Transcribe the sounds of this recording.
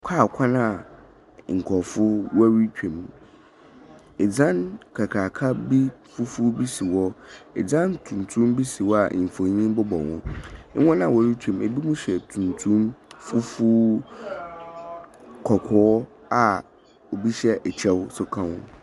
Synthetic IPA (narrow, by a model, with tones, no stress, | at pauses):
kʰaː˦˨kʷʰã˦nã˦˨ | ŋ̩˨kʰɔ˨fʊ˦wa˦ɾi˦t͡ɕᶣẽ˨m˨ | ɛ˨d͡zã˦nkʰa˨kʰaː˨kʰa˦bi˦fʊ˦fu˦bi˦si˨wɔ˦ɛ˨d͡zã˦ntʰũ˨n˨tʰũ˦mbi˦si˨wɔ˦a̰˨m̩˨fõ˨˦ɲĩ˦m˦bʊ˦bɔ˨wʊ̰̃˦wɔ̃˦nã˦˨wɔ˦˨ɾi˦t͡ɕᶣʰɛ̃˨m˨e˨bi˦mũ˦ɕɛ˨tʰũ˨ntʰũ˦mfʊ˦fʊ˦ | kʰɔ˨kʰɔ˨˦ɔ˦ | a˨ | o˨bi˦ɕɛ˦ʔɛ˨t͡ɕʰɛ˦wsʊ˦kʰã˦wʊ̰̃˦